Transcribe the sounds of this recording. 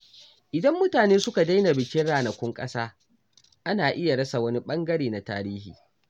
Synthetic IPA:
ʔɪ˨dɐ˦mːʊ˦taː˨neː˦sʊ˦ka˨da˦jna˨bɪ˨kʲɪ˦ɽaː˨nɐ˨kʷʊ˦ŋkʼɐ̰˦saː˦ | ʔa˦naː˨ʔɪ˦ja˨ɽɐ˦sa˨wɐ˦ni˦ɓɐ˦ŋɡɐ˦ɽeː˨na˨ta̰ː˦ɾiː˦hḭː˨

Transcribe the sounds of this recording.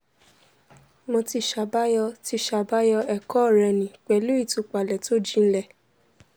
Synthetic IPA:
mo˧ti˧ʃa˧ba˦jɔ˧ti˧ʃa˧ba˦jɔ˧ɛ˨kɔ˦˨ɾɛ˧nĩ˨k͡pɛ˨lu˦i˦˨tu˧˦k͡pa˨lɛ˨to˦˨d͡ʒĩ˦˧n̩˦lɛ˦˨

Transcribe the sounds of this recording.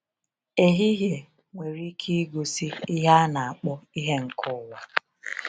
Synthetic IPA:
e˨ɦi˦ɦje˨ | ŋʷe˨ɾi˦kʰi˦ɡo˨si˦i˦ɦa˦na˨a˨k͡pɔ˦i˦ɦe˦ŋ̩˨kʰʊ˦˨wa˨

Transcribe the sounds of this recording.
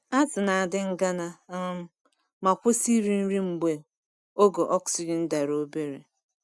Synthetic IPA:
a˦tʊ˨na˨a˨dɪ˦ŋ̩˦ɡa˦na˦m̩˦ | ma˨kʷʊ˦si˦ɾi˦n̩˦ɾi˦ŋ͡m̩˨ɡ͡be˨ | o˦ɡo˨ʔɔ˦ksi˦d͡ʒɪ˨n̩˦da˨ɾo˦be˦ɾḛ˨

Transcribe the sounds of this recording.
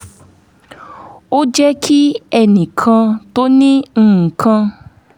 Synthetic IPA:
o˦d͡ʒɛ˦kʰi˦ɛ˧˨nĩ˨kʰã˧to˦nĩ˦ŋ̩˦˨kʰã˧

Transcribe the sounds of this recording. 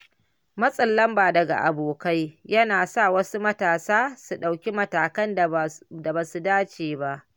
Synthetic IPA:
mɐ˦sʼɐ˨lːɐ˦mbaː˨dɐ˨ɡa̰˨ʔa̰˨boː˨ka˦jjɐ˦naː˨saː˦˨wɐ˦su˦mɐ˦taː˨saː˦su˨ɗa˨wkʲi˦mɐ˦taː˨kɐ˦nda˨ba˨su˨daː˦t͡ʃeː˨ba˦ʔ

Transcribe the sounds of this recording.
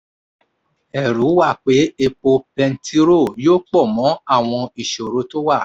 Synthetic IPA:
ɛ˨ɾu˨˦wa˦˨k͡pe˨˦e˧k͡po˧pɛ˧n̩˦ti˦ɾo˦˨joː˦k͡pɔ˦˨mɔ̃˨˦a˦˨w̃ɔ̃˧i˨ʃo˨ɾo˨˦to˦wa˦˨

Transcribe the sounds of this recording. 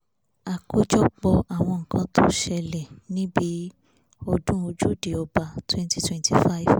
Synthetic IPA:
a˨ko˦d͡ʒɔ˦k͡pɔ˧a˨w̃ɔ̃˧ŋ̩˨kʰã˨˧tʰo˦ʃɛ˧lɛ˨nĩ˦bi˨˦ | ɔ˧dũ˦o˧d͡ʒu˦de˨ɔ˧ba˧twɛ̃˦n˦ti˦twɛ̃˦nti˦˨fa˦i˦v

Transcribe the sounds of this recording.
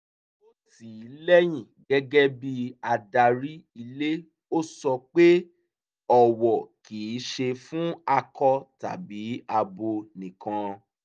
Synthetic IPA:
o˦ti˨i˨˦lɛ˦j̃ĩ˨ɡɛ˦ɡɛ˦bi˦a˧da˧ɾi˦i˧le˦ | o˦sɔ˧k͡pe˦ | ɔ˦˨wɔ˨ki˨˦ʃe˧fũ˦a˧kɔ˧ta̰˨bi˨˦a˧bo˧nĩ˨kã˧

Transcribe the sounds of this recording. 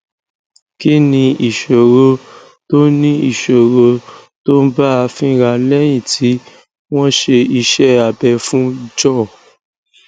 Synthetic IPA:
ki˦nĩ˧i˨ʃo˨ɾo˧ | to˦nĩ˦i˨ʃo˨ɾo˧ | to˦ba˦a˧fĩ˦ɾa˧˨lɛ˦j̃ĩ˦˨tʰi˨˦ | w̃ɔ̃˦ʃe˧i˧ʃɛ˦a˨bɛ˧fũ˦˧d͡ʒɔ˦˨

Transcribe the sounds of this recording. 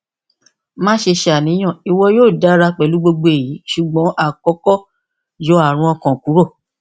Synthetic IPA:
mãː˦ʃe˧ʃe˧a˨nĩ˨˦j̃ɔ̃˦˨i˧wɔ˧joː˦˨da˨˦ɾa˧k͡pɛ˨lu˨˦ɡ͡bo˧ɡ͡bo˧e˨ji˨˦ʃu˨ɡ͡bɔ̃˨˦ʔa˦˨kɔ˨˦kɔ˦ | d͡ʒɔ˨˧˦a˦˨ɾ̃ũ˧˦ɔ˧kɔ̃˨ku˨˦ɾo˦˨

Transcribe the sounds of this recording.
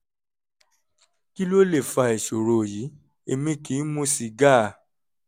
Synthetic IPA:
ki˦lo˦le˦˨fa˧e˨ʃo˨ɾo˨ji˨˦ | e˧mĩ˧˦kĩ˨˦mũ˦si˧ɡa˦˨

